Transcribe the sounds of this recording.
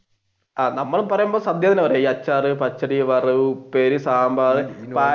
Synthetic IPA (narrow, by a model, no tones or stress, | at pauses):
aːnɐmːɐɭumpɐrɐjumboːsɐd̪jɐðineʋɐreiɐt͡ɕːaːrɨpɐt͡ɕːɐɽiʋɐrɨʋupeːɾisaːmbaːðɨpaː